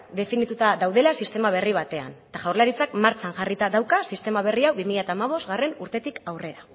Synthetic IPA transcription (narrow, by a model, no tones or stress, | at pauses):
d̪e̞finit̪ut̪aðawðe̞lasist̪e̞maβ̞e̞riβ̞at̪e̞a̰nt̪aʝawɾlaɾit͡sakmaɾt͡sanʝarit̪aðawkasist̪e̞maβ̞e̞riawβimiʎat̪aːmaβ̞o̞zt̪ɣare̞nuɾt̪e̞t̪ikawre̞ɾa